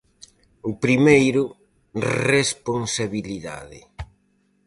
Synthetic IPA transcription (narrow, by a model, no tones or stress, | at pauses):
ʊpɾimejɾʊ | respoŋsaβiliða̰ðɪ